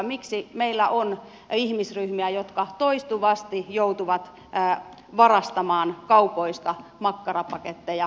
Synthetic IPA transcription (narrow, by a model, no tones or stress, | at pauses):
miksimeilːæʔon | ihmisryhmiæjot̪kɑt̪oist̪uʋɑst̪ijout̪uʋɑt̪ː | ʋɑrɑst̪ɑmɑːnkɑupoist̪ɑmɑkːɑrɑpɑket̪ːejɑ